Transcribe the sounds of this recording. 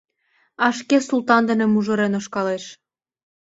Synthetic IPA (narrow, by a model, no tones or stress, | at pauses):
ɑʃkesult̪ɑnd̪ə̆nĕmuʒŏɾenoʃkɑleʃ